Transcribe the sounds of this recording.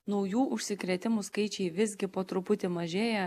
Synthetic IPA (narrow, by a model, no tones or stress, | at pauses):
nɔʊjuːʔʊʃʲsʲɪkɾʲet̪ʲɪmuskɐɪt͡ʃʲɛɪʋʲɪzʲɡʲɪpoːt̪ɾʊpʊt̪ʲɪmɐʒʲeːjɛ